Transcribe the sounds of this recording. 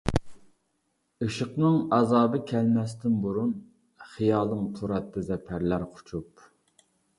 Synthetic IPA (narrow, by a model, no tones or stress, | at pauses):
ɨʃəqnɨŋɑzɑːbɨkʲʰɛlmɛst̪ɪnbuɾun | χijɑːlˠɨmt̪ʰuɾɑt̪ʰːɑzɛpʰæɾlæɾqʰʊ̥t͡ʃʰup